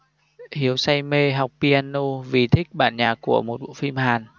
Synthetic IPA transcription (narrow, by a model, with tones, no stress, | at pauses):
hi˨˦əwsa˧jme˧ɦa˨˩wk͡p̚pi˧ʔaː˧nːo˧vi˨˩t̪ʰï˦˥k̚ɓaː˧˩nɲaː˨˩ku˧˩əmo˨˩t̚ɓṵ˧˨fi˧mhaː˨˩n